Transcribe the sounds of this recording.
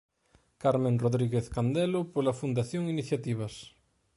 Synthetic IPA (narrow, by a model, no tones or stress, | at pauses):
kaɾmẽŋroðɾiɣeθkand̪ɛlʊpolɐfund̪aθjoŋiniθjat̪iβ̞ɐs